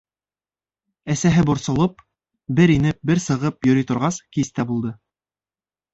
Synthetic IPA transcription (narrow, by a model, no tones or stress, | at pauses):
æsæɦɘbŏɾsŏlˠɤp̚ | bɘɾinɘp̚bɘɾsɤ̆ʁɤpjɵ̆ɾit̪ŏɾʁɑskist̪æbulˠd̪ɤ